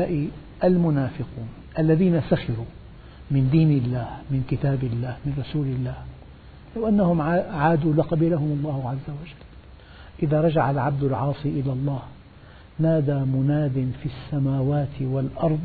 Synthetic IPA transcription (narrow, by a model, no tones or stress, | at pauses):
aːʔi | ʔalmʊnaːfɪquːn | ʔalːaðiːnasaxɪɾuː | mɪnd̪iːnɪlːaːhmɪnkɪt̪aːbɪlːaːhmɪnɾˤɑsuːlɪlːaːh | lawʔanːahʊmʕaːd̪uːlɪqɑbiːlahʊmɑlˤːɑːhʊʕazːawad͡ʒalː | ʔɪðaːɾˤɑd͡ʒaʕalʕab̚d̪ʊlʕɑːsˤiʔɪlalˤːɑːh | naːd̪aːmʊnaːd̪ɪnfisːamaːwaːt̪ɪwalʔɑɾˤd̪ˤ